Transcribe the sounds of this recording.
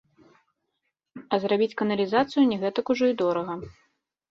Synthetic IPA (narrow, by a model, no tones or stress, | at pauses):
ɐzɾabʲit͡sʲkɐnɐlʲizat̪sɨjunʲɛɣɛt̪ɐkuʐɔid̪ɔɾɐɣɐ